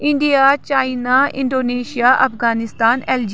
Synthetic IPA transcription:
ɪ̃ɳɖijaːt͡ʃaːinaɪ̰̃ɳɖoːneːʃijaːʔɐpʰɡaːnɪst̪aːnɛːld͡ʒ

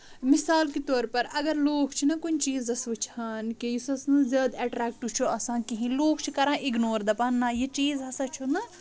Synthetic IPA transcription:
misaːlkit̪ɔːɾpɐɾɐɡɐɾloːkʰt͡ʃʰinɐkunt͡ʃiːzɐsut͡ʃʰhaːnkejisɐsnɨzʲaːd̪ɐʈɾɛːk̚ʈut͡ʃʰuɐsãːkiɦĩloːkʰt͡ʃʰikɐɾãːʔiɡnoːɾd̪ɐpaːnːaːjet͡ʃiːzɦɐsɐt͡ʃʰunɐ

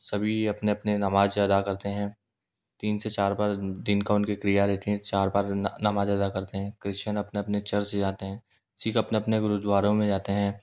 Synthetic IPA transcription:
sɐbʱiɐpneɐpnenɐmaːd͡ʒɐd̪akɐɾt̪eɦɛ̃ː | t̪iːnset͡ʃaːɾbaːɾd̪ɪnkaʊnkekɾijaɾɛːt̪eɦɛ̃t͡ʃaːɾbaːɾnɐmaːd͡ʒɐd̪akɐɾt̪eɦɛ̃ːkɾɪʃənɐpneɐpnet͡ʃɐɾsed͡ʒaːt̪eɦɛ̃ː | sʰiːkɐpneɐpneɡʊɾʊd̪waːɾõmẽd͡ʒaːt̪eɦɛ̃ː

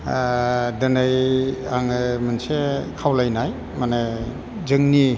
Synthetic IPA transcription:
dɯnajaŋɯmansekʰawlajnaj | mana | zɯŋni

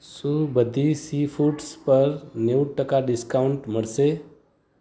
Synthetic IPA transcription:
subəd̪ʱisifʰuʈspəɾneuʈəkaɖɪskauɳʈməɽse

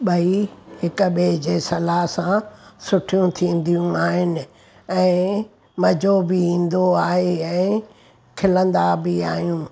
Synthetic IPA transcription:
ɓɐiɦɪkɓeːd͡ʑeːsɐlaɦsãsʊʈʰijũt̪ʰĩːn̆d̪ijũaːɦɪnɪ̆ | ɛ̃ː | mɐd͡ʑobɪĩːn̆d̪oaːɦeɛ̃ː | kʰɪlə̃nd̪abɪaːɦijũː

